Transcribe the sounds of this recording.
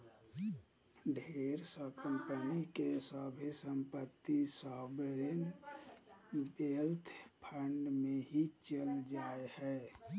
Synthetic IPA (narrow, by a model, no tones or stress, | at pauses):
ɖʱeːɾsəkə̃mpənikesaːbʱisəmpət̪ːisaːbeɾen | belt̪ʰpʰəɳɖmẽɦit͡ʃəld͡ʒaːehɛː